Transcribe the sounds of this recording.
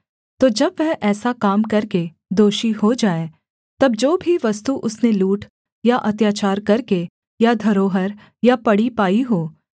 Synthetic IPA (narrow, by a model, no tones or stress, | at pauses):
t̪oːd͡ʒɐbʋɛɦʔɛːsakaːmkɐɾke | d̪oːʃihod͡ʒaːẽ | t̪ɐbd͡ʒoːbʱiʋɐst̪uʔʊsneluːʈ | jaʔɐt̪jaːt͡ʃaːɾkɐɾke | jad̪ʱɐɾoːɦəɾ | japɐɽipaːiɦoː